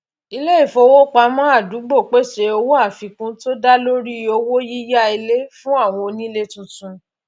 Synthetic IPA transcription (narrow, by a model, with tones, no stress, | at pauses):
i˧le˦i˦˨fo˧wo˦k͡pa˧˦mɔ̃˦a˦˨du˨˦ɡ͡bo˦˨k͡pe˦˨ʃe˧˦o˧wo˦a˦˨fi˨kũ˨˦to˦da˦lo˦ɾi˦˨o˧wo˦ji˦ja˦i˧le˦fũ˦a˦˨w̃ɔ̃˧o˧nĩ˦le˦tũ˧tũ˧